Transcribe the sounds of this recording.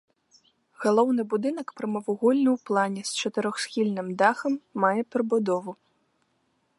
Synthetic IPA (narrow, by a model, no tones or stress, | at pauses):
ɣalˠɔwnɨbud̪ɨnɐkpɾɨmɐvuɣɔlʲnɨwplˠanʲɛst͡ʂɐt̪ɨɾɔxsxʲilʲnɨmd̪axɐmːajɛpʲɾɨbud̪ɔvu